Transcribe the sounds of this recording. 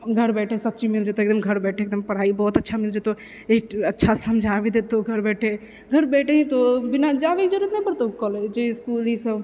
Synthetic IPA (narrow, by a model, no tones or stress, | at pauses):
ɡʱɐɾbɛːʈʰesɐb̚t͡ʃimɪld͡ʒet̪oeːkd̪əmɡʱəɾbɛːʈʰeːk̚d̪əmpɐɽ̤aːibɔːt̪ɐtːʃʰamɪld͡ʒet̪o | ekɐtːʃʰasɐmd͡ʒʱabed̪eːt̪oɡʱɐɾbɛːʈʰe | ɡʱɐɾbɛːʈʰeɦĩt̪obɪnad͡ʒaːbeːkd͡ʒəɾuət̪nãpəɾt̪okɔled͡ʒoskuːlisəb